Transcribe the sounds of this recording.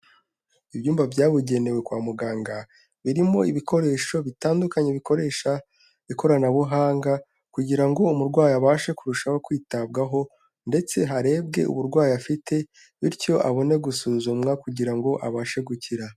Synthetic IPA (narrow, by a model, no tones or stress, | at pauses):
ibjuːmbavjaːβuɟe̞ne̞we̞kwaːmuɡaːŋɡa | βiɾimo̞iβikʰo̞ɾe̞ːʃo̞βitaːndukaɲeβiko̞ɾe̞ːʃa | βiko̞ɾanaβuɦaːŋɡa | kuɟiɾaŋɡo̞umuɾɡwaːjiaβaːʃe̞kuɾuʃaho̞kwiːtab̚ɡaɦo̞ | nde̞t͡se̞ɦaɾe̞ːb̚ɡe̞̰ʔṵβuɾɡwaːjiafite̞ | βiɾco̞ʔa̰βo̞ne̞ɡusuːzumŋakuɟiɾaŋɡo̞ʔaβaːʃe̞ɡuciɾa